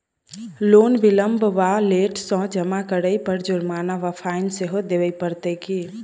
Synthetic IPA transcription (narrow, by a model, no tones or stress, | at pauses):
lonbiləmbʱʋaleʈsɔ̃d͡ʒəmakəɽəjpəɾd͡ʒuɾmanaʋapʰaɪnseɦod̪ebəjpəɾt̪əki